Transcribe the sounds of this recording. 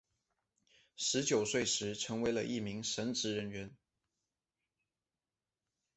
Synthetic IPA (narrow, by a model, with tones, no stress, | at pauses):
ʂɻ̩˧˥t͡ɕjo˨˩ʊswe˥˩ɪʂɻ̩˧˥ʈ͡ʂʰɤ˧˥ŋwe˧˥ɪlə̰˧ʔi˥˩mi˧˥ŋʂə˧˥nʈ͡ʂɻ̩˧˥ɻə˧˥nɥɛ˧˥n